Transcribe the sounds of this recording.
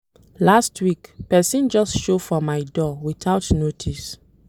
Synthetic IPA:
lastʰwikpɛsĩnd͡ʒɔstʃofɔmaɪdɔwiθʰaʊtnotʰis

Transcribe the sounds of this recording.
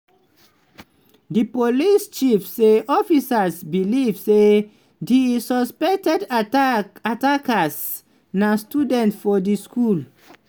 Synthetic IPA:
dipolist͡ʃifseʔɔfisasbilivse | disɔspɛktɛd | atakas | nastudɛ̃ntfɔdiskul

